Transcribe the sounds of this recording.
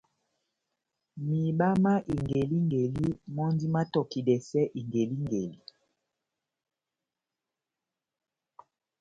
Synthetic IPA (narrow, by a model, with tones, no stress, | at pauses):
mi˨ɓa˦ma˦ʔi˨ŋɡe˨li˦ŋɡe˨li˦mɔ˦ndi˦ma˦tɔ˨ki˨dɛ˨sɛ˦ʔi˨ŋɡe˨li˦ŋɡe˨li˦